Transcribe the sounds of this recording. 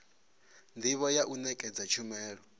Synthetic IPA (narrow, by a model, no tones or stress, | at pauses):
ndʱiβɔjaʔunɛkʼɛd͡zat͡ʃʰumɛːɺɔ